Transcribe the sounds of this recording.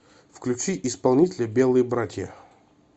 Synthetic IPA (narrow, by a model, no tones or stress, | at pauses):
fklʲʉt͡ɕiʔɪspɐlˠnʲitʲɪlʲəbʲe̞lˠɨjəbɾatʲjə̰